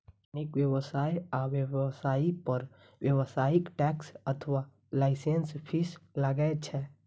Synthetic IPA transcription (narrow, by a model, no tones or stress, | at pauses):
nikwjəwəsaːiaʋjəsaːipəɾ | wjəwəsaːɪkʈɛksət̪ʰʋa | laɪsenspʰisləɡet͡ʃʰɛ